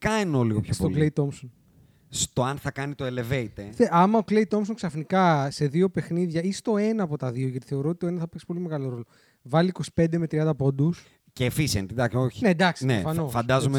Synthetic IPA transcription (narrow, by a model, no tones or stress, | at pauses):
kɐnoliɣopçost̪okleit̪o̞mson | st̪o̞ɐnθɐkɐnit̪oele̞ve̞it̪eθeʔɐmɐoklejt̪o̞ms̬oŋksɐfnikɐse̞ðio̞pe̞xniðʝɐist̪o̞e̞nɐːpo̞t̪ɐðioʝɐt̪i̥θe̞o̞ɾo̞ot̪ioenɐsθɐpekspo̞lime̞ɣɐlo̞ɾo̞lo̞ | vɐliːko̞si̥pe̞nd̪emet̪ɾiɐnd̪ɐpo̞d̪us | ceːfisent̪id̪ɐksoçined̪ɐksnefɐnosfɐnd̪ɐzome